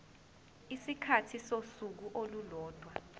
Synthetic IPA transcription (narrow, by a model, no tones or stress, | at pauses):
isikʰatʰisosuk̬uʔolulɔːd̥ʱwa